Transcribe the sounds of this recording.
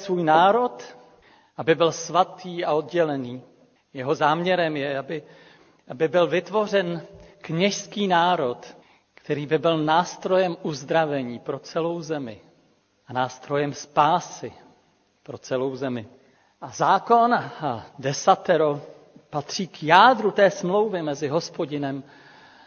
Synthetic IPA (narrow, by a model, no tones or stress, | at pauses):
svuːjnaːɾo̞t̪ | ʔabɪbɪlsvat̪ʰiːao̞dɟɛlɛniː | jɛɦo̞zaːmɲɛɾɛmjɛabɪ | ʔabɪbɪlvɪt̪vo̞r̝ɛnkɲɛʃskiːnaːɾo̞t̪ | kt̪ɛɾiːbɪbɪlnaːst̪ɾo̞jɛmʔuzd̪ɾavɛɲiːpɾo̞t͡sɛlo̞wzɛmɪ̰ | ʔanaːst̪ɾo̞jɛmspaːsɪ | pɾo̞t͡sɛlo̞wzɛmɪ | ʔazaːko̞ndɛsat̪ɛɾo | pat̪r̝̥iːkjaːdɾut̪ɛːsmlo̞wvjɛmɛzɪɦo̞spo̞ɟɪnɛm